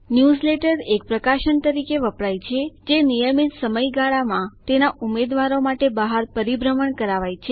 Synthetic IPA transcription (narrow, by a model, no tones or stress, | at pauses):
njuzleʈəɾek̚pɾəkaʃənt̪əɾikeʋəpɭajt͡ʃʰed͡ʒenijəmit̪səməjɡaɭamãt̪enaʔumed̪ʋaɾomaʈebəɦaɾpəɾibɾəməɳkəɾaʋajt͡ʃʰe